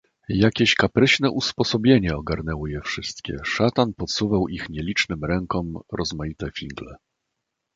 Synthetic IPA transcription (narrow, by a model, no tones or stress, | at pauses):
jakʲeɕkapɾɘɕnɛʔuspɔsɔbʲjeɲɛɔɡaɾnɛwɔjɛfʂɘst̪kʲɛ̰ʂat̪anpɔt̪suvawixɲɛlʲit͡ʂnɘmɾɛŋkɔmɾʔɔzmajit̪ɛfʲiŋɡlɛ̰